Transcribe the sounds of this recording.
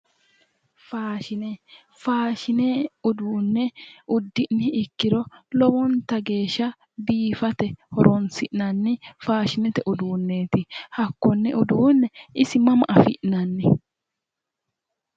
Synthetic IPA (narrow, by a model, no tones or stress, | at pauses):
faːʃɪnɛ | faːʃɪnɛʊd̪uːnːɛʊd̪ːɪʔnɛɪkːɪɾɔlɔwɔnt̪ɐɡe̞ːʃːɐ | biːfɐt̪ɛhɔɾɔnsɪʔnɐnːɪfaːʃɪnɛt̪ɛʔʊd̪uːnːe̞ːt̪ɪhɐkːɔnːɛʔʊd̪uːnːɛʔɪsɪmɐmɐʔɐfɪ̰ʔnɐnːɛ